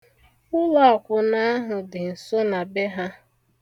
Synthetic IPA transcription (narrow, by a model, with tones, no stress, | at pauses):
ʊ˦lɔ˦˨ɔ˨kʷʊ˨na˦a˦ɦʊ˨dɪ˨n̩˨so˦na˨be˦ɦa˦